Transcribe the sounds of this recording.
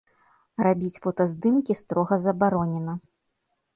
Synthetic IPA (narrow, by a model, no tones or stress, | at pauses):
rabʲit͡sʲfɔt̪ɐzd̪ɨmkʲist̪ɾɔɣɐzɐbaɾɔnʲɛnɐ